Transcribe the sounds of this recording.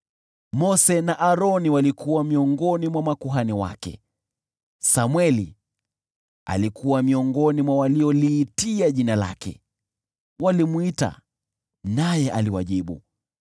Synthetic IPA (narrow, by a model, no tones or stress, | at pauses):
mɔsɛnaʔaɾɔniwalikʰuwamiɔŋɡɔnimwamakuɦaniwa̰kɛ̰ | samwɛlḭ | a̰likuwamiɔŋɡɔnimwawaliɔliːtiaʄinala̰kɛ̰ | walimwita̰ | najɛʔaliwaʄiɓṵ